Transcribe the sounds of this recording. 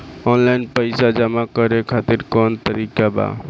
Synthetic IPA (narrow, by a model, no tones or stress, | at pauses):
ɔnlajnpəjsad͡ʒəmakəɾekʰat̪iɾkɔnt̪əɾikaba̰